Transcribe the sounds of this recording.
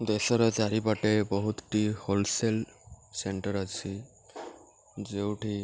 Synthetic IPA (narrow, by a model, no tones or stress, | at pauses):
d̪esɔɾɔd͡ʒaɾipaʈebɔɦut̪ʈiholselseɳʈəɾat͡ʃʰi | d͡ʒewʈʰi